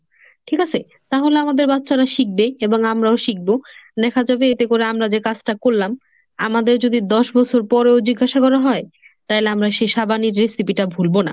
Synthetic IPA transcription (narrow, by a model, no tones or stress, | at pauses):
ʈʰikat͡ɕʰe | t̪aɦoleamad̪eɾbatːɕaɾaʃik̚beeboŋamɾaoʃik̚bod̪ɛkʰad͡ʑabeet̪ekoɾeamɾad͡ʑekat͡ɕʰʈakoɾːam | amad̪eɾd͡ʑod̪id̪ɔʃbɔt͡ɕʰoɾpɔɾeod͡ʑiɡːaʃakɔɾaɦɔe | t̪ajleamɾaʃeʃabaniɾːesipiʈabʱulbona̰